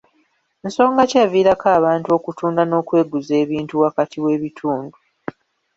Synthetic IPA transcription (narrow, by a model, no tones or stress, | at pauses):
enso̞ːŋɡacaviːɾakaːβaːntuo̞kutuːndano̞ːkwe̞ːɡuze̞ːβiːntuwakatʰiwe̞ːβitʰuːndu